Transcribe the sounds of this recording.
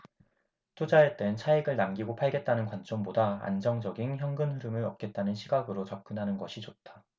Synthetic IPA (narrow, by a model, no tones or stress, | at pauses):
tʰod͡ʑaet͈ent͡ɕʰaiɡɯɭnamɡiɡopʰaɭɡe̞t̚t͈anɯnkwant͡ɕ͈ombodaa̰nd͡ʑʌŋd͡ʑʌɡinçjʌŋɡɯnɸuɾɯmɯɭɾʌp̚k͈e̞t̚t͈anɯnɕʰiɡaɡɯɾot͡ɕap̚k͈ɯnɦanɯnɡʌɕʰit͡ɕot̚t͈ʰḁ